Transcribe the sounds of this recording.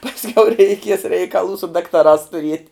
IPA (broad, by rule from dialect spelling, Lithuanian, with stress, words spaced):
pɐsʲˈkʲɛʊ rʲɛɪˈkʲiɛs rʲɛɪkɐˈlˠuː sʊ dɐktɐˈrɑːs tʊˈrʲiɛtʲ